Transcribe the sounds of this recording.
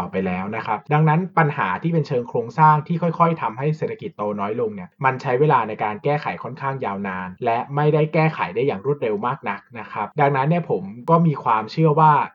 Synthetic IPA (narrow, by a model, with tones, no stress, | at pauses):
pa˧jlɛː˦˥wna˦˥kʰa˦˥p̚da˧ŋna˦˥npa˧nha̰ː˩˦t̪ʰiː˥˩pe˧nt͡ɕʰɤː˧ŋkʰɾoː˧ŋsaː˥˩ŋt̪ʰiː˥˩kʰɔ˥˩jkʰɔ˥˩jt̪ʰa˧mɦa˥˩jseː˨˩t̪ʰa˧ki˨˩t̪ːoː˧nɔː˦˥jlo˧ŋni˥˩ɐma˧nt͡ɕʰa˦˥jweː˧laː˧na˧jkaː˧nkɛː˥˩xʰa˨˩˦jkʰɔ˥˩nkʰaː˥˩ŋjaː˧wnaː˧nlɛ˦˥ʔma˥˩jda˥˩jkɛː˥˩xʰa̰˩˦jdaː˥˩jːaː˨˩ŋɾu˥˩t̪̚ɾe˧wmaː˥˩k̚na˦˥k̚na˦˥kʰa˦˥p̚da˧ŋna˦˥nːi˥˩əpʰo˩˦mkɔː˥˩miː˧kʰwaː˧mt͡ɕʰɯ˥˩əwaː˥˩